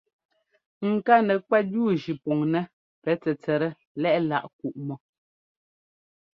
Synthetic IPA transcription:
ŋ̩˨ka˦nɛ˨kwɛ˦t̚duː˦˨ʒi˨pɔ˨ŋnɛ˦ | pɛ˨˦t͡sɛ˨t͡sɛ˨ɾɛ˦ | lɛ˦ʔla̰˨ʔk̚u˨ʔmɔ˨

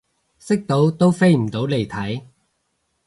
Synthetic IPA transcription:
sɪ˥k̚t̪o˨˥wt̪o˥wfe˥jm̩˨˩t̪o˨˥wle˨˩jt̪ʰɐ˨˥j

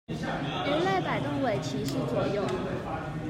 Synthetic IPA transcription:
ɻə˧˥le˥˩ɪpa˨˩ɪt̪ɤ˥˩ŋwe˨˩ɪt͡ɕʰi˧˥ʂɻ̩˥˩t͡swɔ˨˩jʊ˥˩ŋ

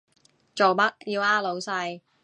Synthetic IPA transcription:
t͡so˨wpɐ˥k̚jiː˧wʔaː˥lo˨˧wsɐ˧j

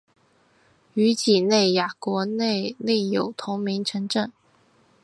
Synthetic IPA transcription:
y˧˥t͡ɕi˨˩ne˥˩ɪja˨˩kwɔ˧˥ne˥˧ɪne˥˩ɪjo˨˩ʊt̪ʰʊ˧˥ŋmi˧˥ŋʈ͡ʂʰɤ˧˥ŋʈ͡ʂə˥˩ŋ

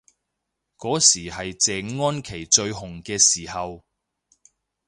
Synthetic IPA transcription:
kɔː˨˥siː˨˩hɐ˨jt͡sɛː˨ŋŋɔː˥nkʰe˨˩jt͡ʃɵ˧ɥhʊ˨˩ŋkɛː˧siː˨˩hɐ˨w

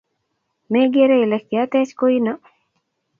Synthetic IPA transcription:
meɡe˦ɾe˦i˨lɛk̚ːjat̪ɛ˦t͡ʃko˦ina

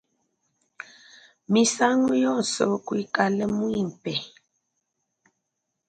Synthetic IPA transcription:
mi˨sa˦ŋu˦jɔ˦˨so˨kwi˦ka˨lə˦mu˦i˦˨m̩˨pɛ˨

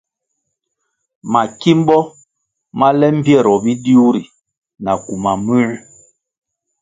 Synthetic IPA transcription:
ma˨ki˦m̩˦bɔ˦ | ma˦lɛ˦m̩˦pjɛ˦˨ɾɔ˨bi˦di˦u˦ɾi˨ | na˨ku˨ma˨mʉ˦ɾ

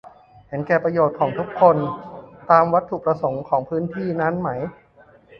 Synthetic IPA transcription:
he˩˦nkɛː˨˩pɾa˧joː˨˩t̪̚kʰɔː˩˦ŋt̪ʰu˦˥kʰːo˧nt̪aː˧mwa˦˥t̪ʰːu˨˩pɾa˧so˩˦ŋkʰɔː˩˦ŋpʰɯː˦˥nt̪ʰiː˥˩na˦˥nma˦˥j

